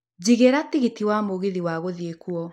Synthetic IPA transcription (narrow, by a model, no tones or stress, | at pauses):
d͡ʑiɣeɾatiɣitiwamoɣeðiwaɣoðiekuɔ